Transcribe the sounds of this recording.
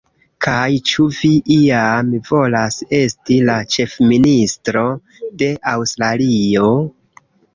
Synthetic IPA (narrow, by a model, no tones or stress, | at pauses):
kʰajt͡ʃuviʔiamvo̞lase̞stilat͡ʃe̞fministɾo̞ | de̞ʔawstɾalio̞